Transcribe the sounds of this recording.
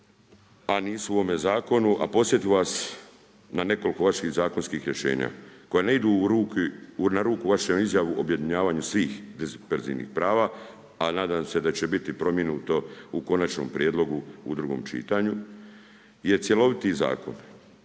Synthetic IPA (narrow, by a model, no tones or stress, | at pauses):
aniːsuuome̞zaːko̞nuʔa̰po̞sje̞t̪iʋas | nane̞ko̞liko̞ʋaʃiɣzaːko̞nskiːxɾjeʃḛːɲa̰ːko̞janeid̪uɾuːkinaɾuːkuʋaʃemizjaʋuʔobje̞d̪iɲaːʋaːɲusʋiːxd̪ezpeɾzḭnḭxpɾaːʋaː | anaːd̪amse̞d̪at͡ɕe̞bit̪ipɾo̞mje̞nuːt̪o̞uko̞nat͡ʃno̰mpɾjed̪lˠo̞ɡuud̪ɾuɡo̞̰mt͡ʃḭːt̪aɲu | je̞t̪sjelo̞ʋit̪iza̰ːko̞̰n